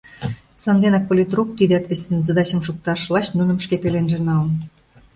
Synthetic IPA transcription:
sɑnd̪enɑk̚polʲit̪ruk̚t̪id̪eɑt̪βesʲt̪enzəd̪ɑt͡ɕə̆mʃuk̚t̪ɑʃlɑɕnunə̆mʃkepelenʒĕnɑlən

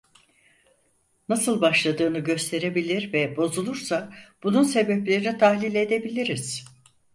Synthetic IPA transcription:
nasɯlˠbaʃlˠad̪ɯːnɯɟø̞st̪ʰe̞ɾe̞bilʲiɾvɛbo̞zulˠuɾsab̥ununse̞bɛplʲe̞ɾinit̪ʰahlʲilʲe̞d̪e̞bilʲiɾiz̥

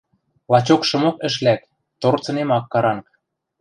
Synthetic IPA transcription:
lɑt͡ɕokʃɤ̆mokə̆ʃ̬læk̪ | t̪ort͡sɤ̆nemɑkːɑɾɑŋk

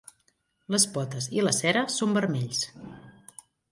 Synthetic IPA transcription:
ləspɔt̪əziləsɛɾəsombəɾmeʎs

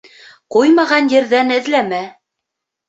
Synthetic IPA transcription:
qujmɑʁɑnjɘ̆ɾðænɘ̆ðlæmæ

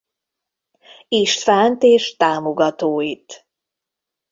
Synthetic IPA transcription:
iʃt̪faːnt̪eːʃt̪aːmoɡɒt̪oːit̪

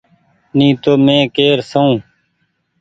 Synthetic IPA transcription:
nĩːt̪oːmẽːkeːɾsəũː

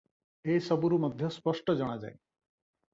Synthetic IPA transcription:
esʌbuɾumʌd̪ʱjɔspɔsʈɔd͡ʒʌɽ̃ad͡ʒa̰e

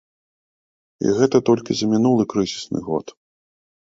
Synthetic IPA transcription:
ḭɣɛt̪ɐt̪ɔlʲkʲizɐmʲinulˠɨkɾɨzʲisnɨ̰ɣɔ̰t̪

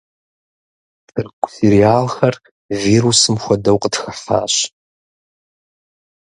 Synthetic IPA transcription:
tʰɨrɡʷʼsiɾiaːlxɐr | viːrusɨmxʷɔdɐwqʼətxɐħa̰ːɕ

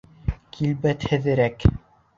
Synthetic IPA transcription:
kʰilbæt̪hɘ̆ðɘ̆ɾæk

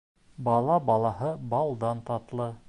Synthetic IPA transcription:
bɑlˠɑbɑlˠɑhɤbɑlˠd̪ɑnt̪ɑt̪lˠɤ

